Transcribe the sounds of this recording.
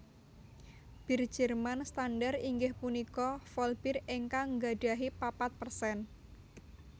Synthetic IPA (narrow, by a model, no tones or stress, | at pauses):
b̥i̤r̥d͡ʒ̥ərmanst̪anɖariŋɡɪhpunikɔfɔlb̥ireŋkaŋɡaɖ̥aɦipapat̪̚pərsɛn